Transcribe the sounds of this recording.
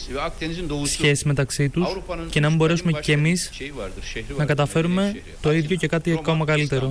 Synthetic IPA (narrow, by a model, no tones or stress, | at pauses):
sçe̞sizme̞t̪ɐksit̪usce̞nɐmibo̞ɾe̞sume̞ce̞ːmis | nɐkɐt̪ɐfe̞ɾume̞ | t̪o̞iðʝoce̞kɐt̪iekomɐɣɐlit̪e̞ɾo̞